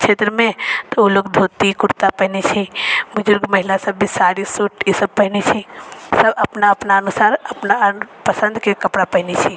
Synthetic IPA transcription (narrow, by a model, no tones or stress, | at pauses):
t͡ʃʰet̪ɾəmẽt̪ɔolokd̪ʱot̪ikuɾt̪apəɦnet͡ʃʰibʊd͡ʒʊɾɡməɦilasəbːisaɾisuʈisəb̚pəɦinet͡ʃʰisəbəpnaəpnaənusaɾəpnapəsə̃nd̪kekəpɽapəɦinet͡ʃʰi